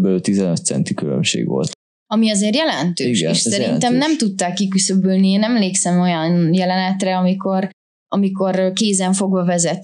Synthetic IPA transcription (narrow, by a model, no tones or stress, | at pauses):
bɛlyt̪izɛnøt̪̚sɛ̰nt̪ikylø̰mʃḛːɡʋo̰lt̪ | ɒmiɒzeːrjɛlɛnt̪øiːɡʃɛeːʃssɛɾint̪ɛmnɛmt̪ut̪ːaːkːikysøbølniːnɛmleːksɛmo̞jɒnjɛlɛnɛt̪rɛɒmiko̞r | ɒmiko̞rkeːzɛɱfo̞ɡʋɒvɛzɛt̪